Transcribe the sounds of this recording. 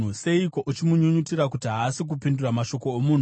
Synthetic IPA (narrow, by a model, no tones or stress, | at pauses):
use̞iko̞ʔut͡ʃimuɲuɲutirakutiɦaːsik̬upinduramaʃo̞ko̞ːmun̤u